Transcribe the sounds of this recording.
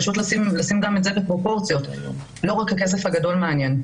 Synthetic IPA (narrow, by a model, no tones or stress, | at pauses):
aʃutlasimlasimɡametzebepʁo̞po̞ʁt͡sijo̞t | lo̞ʁakhakes̬e̞fhaɡado̞lmeanje̞n